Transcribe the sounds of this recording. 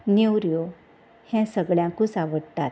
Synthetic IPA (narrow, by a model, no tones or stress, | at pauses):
newɾjo | hɛ̃səɡɭjãkũsaʋəɽt̪at̪̚